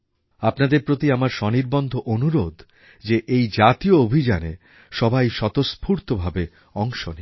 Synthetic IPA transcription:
apnad̪eɾpɾot̪iamaɾʃɔniɾbɔnd̪ʱoʔonuɾod̪ʱ | d͡ʑeʔejd͡ʑat̪ioobʱid͡ʑanḛ | ʃɔbajʃɔt̪ospʰuɾt̪obʱabe | ɔŋʃoni

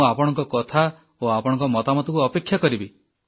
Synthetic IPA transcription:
apɔɽ̃ɔ̃ŋkɔkɔt̪ʰa | oapɔɽɔ̃ŋkɔmɔt̪amɔt̪ɔkuɔpekʰjakɔɾibi

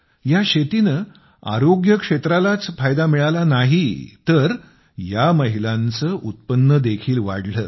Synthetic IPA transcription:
jaɕet̪inə | a̰ɾoɡjəkʂet̪ɾalat͡sfajd̪amiɭalanaɦit̪əɾ | jaməɦilãnt͡səːʔut̪̚pənːəd̪ekʰiːlʋa̰ɽləː

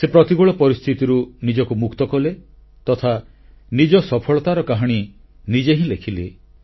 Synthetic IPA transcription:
sepɾɔt̪iɡuɭɔpɔɾist̪ʰit̪iɾunid͡ʒɔkumukt̪ɔkɔle | t̪ɔt̪ʰa | nid͡ʒɔsɔpʰɔɭɔt̪aɾɔkaɦɔɽ̃i | nid͡ʒeɦĩlekʰile

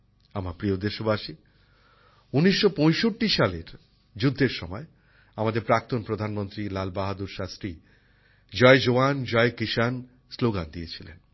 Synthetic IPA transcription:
amaɾpɾiod̪eʃobaʃi | uniʃːopɔ̃jʃoʈːiʃaleɾ | d͡ʑud̪ʱːeɾʃɔmɔe | amad̪eɾpɾak̚t̪onpɾod̪ʱanmont̪ɾilalbaɦad̪uɾʃast̪ɾi | d͡ʑɔed͡ʑoand͡ʑɔekiʃan | sloɡand̪iet͡ɕʰilḛn

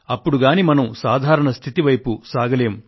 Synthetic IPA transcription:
ɐpːuɽuɡaːnimɐnɐmsaːd̪ʱaːɾɐɳɐst̪ʰit̪iʋɐjpusaːɡɐle̞ːm

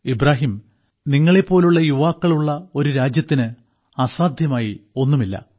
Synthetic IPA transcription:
ibraːɦim | niŋːɐɭe̞pːo̞ːluɭːɐjuʋaːkːɐɭuɭːɐo̞ɾuɾaːd͡ʑjɐt̪ːinɨ | ɐsaːd̪ʱjɐmaːjio̞nːumilːɐ̰

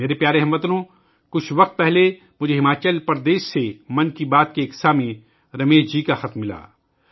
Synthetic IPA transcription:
meːɾepjaːɾeɦɛmːət̪nõ | kʊt͡ʃʰʋɐq̚t̪̚pɛɦle | mʊd͡ʒʱeɦɪmaːt͡ʃəlpɐɾd̪eːʃːemɐnkibaːt̪̚keːksaːmẽ | ɾɐmeːʃd͡ʒiːkaxɐt̪mːɪla̰ː

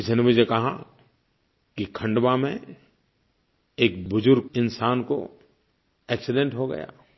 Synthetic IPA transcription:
ɪsnemʊd͡ʒʱekɐɦa̰ | kikʰɐ̃ɳɖbamẽ | eːk̚bʊd͡ʒʊɾɡ̚ɪnsaːnko̰ | ɛːksɪɖẽɳʈɦoɡɐ̰ja̰ː

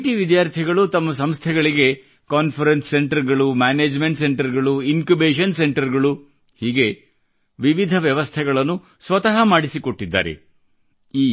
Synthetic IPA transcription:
ʈiʋid̪jaːɾt̪ʰiɡɐɭut̪ɐmːɐs̬ɐmst̪ʰɛɡɐɭiɡe̞ | kaːnpʰɐɾensːeɳʈɐɾɡɐɭumaːneːd͡ʒme̞ɳʈse̞ɳʈɐɾɡɐɭuinkubeːʃɐnse̞ɳʈɐɾɡɐɭu | hiːɡe̞ | ʋiʋid̪ʱɐʋjɐʋɐst̪ʰɛɡɐɭɐnːu | sʋɐt̪ɐɦɐmaːɽisiko̞ʈːid̪ːa̰ːɾḛ | iː

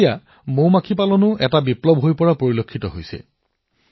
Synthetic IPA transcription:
ja | moɹmakʰipalɔnʊɛtabiplɔbʱɦojpɔɹapoɹilokʰːitɔɦojsɛ̰

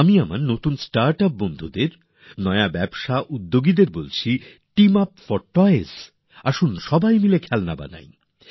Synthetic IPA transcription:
amiamaɾnot̪unsʈaɾʈap̚bond̪ʱud̪eɾ | nɔeabɛbʃaʔud̪ːoɡid̪eɾbolt͡ɕʰi | ʈimapfɔɾʈɔjes | aʃunʃɔbajmilekʰɛlna̰ba̰na̰j

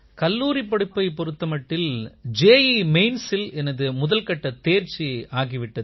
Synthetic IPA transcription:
kɐlːuːɾipːɐɽɯpːɐɪpɔɾɯt̪ːɐmɐʈːɪld͡ʒeːjimeɪnsɪlɛnɐðɯmʊðɐlkɐʈːɐt̪eːɾt͡ʃiaːɣiʋɪʈːɐð

